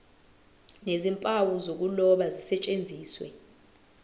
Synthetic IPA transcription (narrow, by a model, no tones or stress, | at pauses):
nezimpʼawuzok̬ulɔɓazisɛt͡ʃʼend͡zʱiːswɛ̰